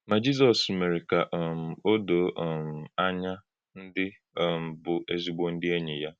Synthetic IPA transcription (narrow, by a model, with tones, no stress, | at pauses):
ma˨d͡ʒi˦z̬ɔ˨sme˨ɾɪ˨ka˨ʔm̩˨o˦do˨ʔm̩˨a˦ɲa˦ | n̩˦dɪ˦˨ | m̩˨bʊ˨ʔe˦zi˨ɡ͡bo˦n̩˦dɪ˦e˦ɲe˨ja˦